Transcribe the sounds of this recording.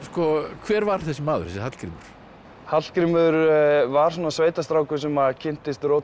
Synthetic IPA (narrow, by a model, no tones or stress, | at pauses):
skɔkʰvɛːɾvaɾ̥θɛsɪmaːðʏ̰ɾ̥θɛsɪhat̪l̥kɾḭmʏɾ̥ | hat̪l̥kɾimʏɾvaɾ̥sunasveːjt̪ast̪ɾaːwkʰɛs̬ʏmaðcʰɪn̥t̪ɪst̪ɾowt̪